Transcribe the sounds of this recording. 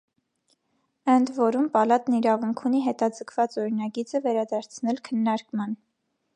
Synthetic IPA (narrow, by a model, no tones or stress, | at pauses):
ənd̪vɔɾumpɑlɑt̪niɾɑvuŋkʰuniɦɛt̪ɑd͡zəkʰv̥ɑt͡sɔɾinɑɡit͡səvɛɾɑd̪ɑɾt͡sʰnɛlkʰənːɑɾkmɑn